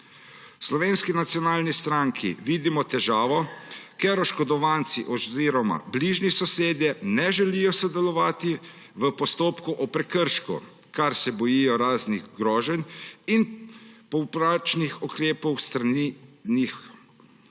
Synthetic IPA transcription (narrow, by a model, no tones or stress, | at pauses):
slɔʋeːnskinat̪sjɔnaːlnist̪ɾaŋkʰḭʋiːd̪imɔt̪ɛʒaːʋɔkeɾɔʃkɔd̪ɔʋaːnt̪siʔɔziːɾɔma̰bliʒnisɔseːd̪jɛnɛʒɛlijɔsɔd̪ɛlɔʋaːt̪i | ʋəpɔst̪oːpkuʔɔpɾɛkəɾʃkṵ | kaɾsɛbɔjijɔɾaːzniɣɡɾɔːʒɛninpɔpɾat͡ʃnixukɾeːpɔwst̪ɾaninix